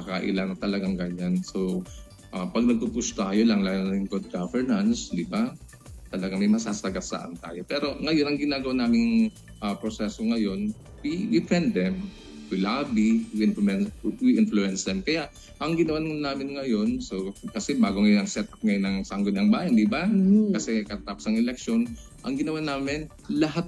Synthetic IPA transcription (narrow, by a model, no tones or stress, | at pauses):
mɐkɐʔɪ̰laŋɐt̪ɐlɐɡaŋɡɐɲanso | ʔapɐɡ̚nɐɡ̚pupust̪ajolɐŋlaːlnaɪŋɡod̪̚ɡavɛɹnɐnsd̪ɪba | t̪ɐlɐɡaɐŋmɐjmɐsaːsɐɡasa̰ʔɐ̰nt̪a̰ːjo̞pɛːɾo̞ŋɐjo̞nɐŋɡɪnaːɡɐwanaːmɪnŋ | ʔapɾosɛsoŋɐjo̞n | pɪɪfɛnd̪ɛm | wɪlaːbiwɪnfɛnwɪʔɪnfluɛnsd̪ɛmkɐjaʔ | ʔɐŋɡɪnɐwannaːmɪnŋɐjo̞nsokɐsɛbaːɡoŋɐjnɐɡsɛt̪̚ʔɐp̚ŋɐjonɐŋsaŋɡonɐŋbaːjɐnd̪ɪbakɐsɛkɐt̪apsɐŋʔɛlɛk̚ʃo̞n | ʔɐŋɡɪnɐwanaːmɪn | lɐɦat̪̚